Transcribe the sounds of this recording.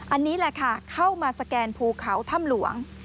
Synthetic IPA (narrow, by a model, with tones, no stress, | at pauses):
ʔa˧nːiː˦˥lɛ˧˩kʰa˥˩kʰa˥˩wmaː˧sa˧kɛː˧npʰuː˧kʰa˩˦wt̪ʰa˥˩mlu˨˩˦əŋ